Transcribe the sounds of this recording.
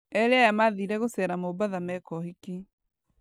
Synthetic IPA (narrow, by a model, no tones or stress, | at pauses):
ɛɾeajamaðiɾɛɣosɛɾamobaðamɛkɔhiki